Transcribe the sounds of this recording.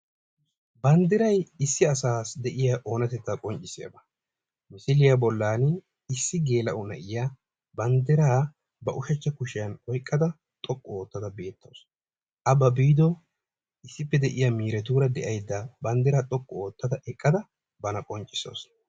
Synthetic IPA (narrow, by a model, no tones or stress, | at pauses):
bɐnd̪ɪɾɐjɪsːɪɐsaːsd̪ɛʔɪjaʔo̞ːnɐt̪ɛt͡s̪ːɐkʼɔnt͡ʃʼːɪsɪɐ̰bɐ | mɪsɪlɪjabɔlːaːn | ɪsːɪɡe̞ːlɐʔʊnɐ̰ʔɪja | bɐnd̪ɪɾaː | bɐʔʊʃɐt͡ʃːɐkʊʃɪjɐnɔjkʼːɐd̪ɐ | t̪ʼɔkʼːɔoːt̪ːɐd̪ɐbe̞ːt̪ːɐ̰ws | ʔɐbɐbiːd̪ɔ | ɪsːɪpːɛd̪ɛʔɪjamiːɾɛt̪uːɾɐd̪ɛʔɐjd̪ːɐbɐnd̪ɪɾaːt̪ʼɔkʼːɔoːt̪ːɐd̪ɐʔɛkʼːɐd̪ɐ | bɐnɐkʼɔnt͡ʃʼːɪ̥so̰ːs